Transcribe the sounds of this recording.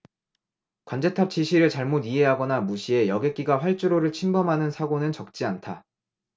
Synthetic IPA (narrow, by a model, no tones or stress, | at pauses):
kwand͡ʑe̞tʰap̚t͡ɕ͈ʰiɕʰiɾɯɭt͡ɕaɭmodiɦe̞ɦaɡʌnamuɕʰie̞jʌɡe̞k͈iɡaɸwaɭt͡ɕ͈uɾoɾɯɭt͡ɕʰinbʌmɦanɯnsʰaɡonɯnt͡ɕʌk̚t͡ɕ͈iantʰa